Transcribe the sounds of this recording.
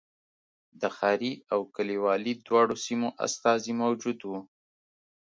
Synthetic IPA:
d̪əxɑɾiawkəliwɑlid̪wɑɽosimoʔa̰st̪ɑzimawd͡ʒud̪wu

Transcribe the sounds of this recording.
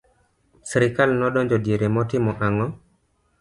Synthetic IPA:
sɾɪkalnɔdɔɲd͡ʒɔdjeɾemɔtɪmɔʔaŋɔ

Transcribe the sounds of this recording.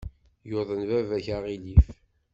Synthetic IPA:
joðˤənvævæçaʁilif

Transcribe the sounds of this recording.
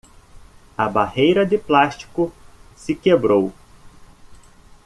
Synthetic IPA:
ɐbahejɾɐd̪ɪplaʃt͡ʃi̥kʊsɪkebɾow

